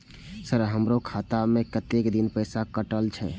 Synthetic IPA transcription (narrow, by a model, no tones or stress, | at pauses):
səɾɦəmɾokʰat̪amẽkət̪ekd̪inpəɪsakəʈəlt͡ʃʰɛ